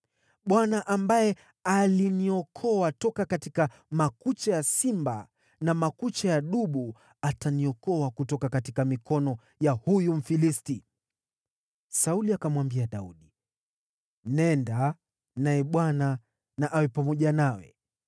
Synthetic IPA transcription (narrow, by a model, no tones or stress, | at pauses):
ɓwanaʔambajɛ | aliniɔkʰɔwatɔkakatika | makut͡ʃajasimba | namakut͡ʃajaɗuɓu | ataniɔkɔwakutɔkakatikamikɔnɔ | jahujum̩filisti | sauliakamwambiaɗauɗi | nɛnda | najɛɓwana | naʔawɛpamɔʄanawɛ̰